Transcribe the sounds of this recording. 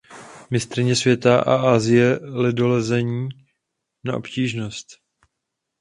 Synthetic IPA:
mɪst̪ɾɪɲɛsvjɛt̪aʔa̰ʔaːzɪjɛlɪdolɛzɛɲiː | na̰ʔo̞̰pciːʒno̞st̪

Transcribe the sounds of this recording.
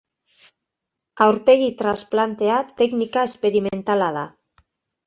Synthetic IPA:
awɾpe̞ɣit̪ɾasplant̪e̞at̪e̞knikae̞spe̞ɾiment̪alað̞a̰

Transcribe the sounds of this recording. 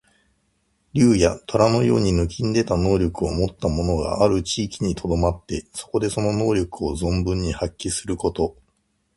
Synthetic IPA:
ɾʲɨːjat̪o̞ɾano̞jo̞ːɲ̟inɯ̟k̬ʲĩnd̪e̞t̪ano̞ːɾʲo̞kɯ̟o̞mo̞t̪ːamo̞no̞ɡa̰aɾɯ̟t͡ɕiːkʲiɲ̟it̪ʰo̞d̪o̞mat̪ːe̞so̞̥ko̞d̪e̞so̞no̞no̞ːɾʲo̞kɯ̟o̞zõ̞mbɯ̟̃ɲ̟ːihakʲːisɨɾɯ̟ko̞t̪o̞

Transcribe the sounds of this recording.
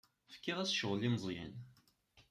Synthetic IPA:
fkːiʁæsʃəʁlimzˤjæ̰n

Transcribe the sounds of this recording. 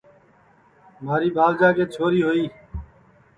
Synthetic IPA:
maːɾiːbʱaːld͡ʒaːkeːt͡ʃʰoːɾiːɦoːiː

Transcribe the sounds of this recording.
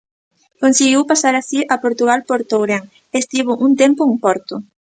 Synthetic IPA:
konsiɣiwpasaɾasiʔapoɾt̪uɣalpoɾt̪owɾeŋ | est̪iβ̞ʊʔunt̪empʊeŋpɔɾt̪ʊ

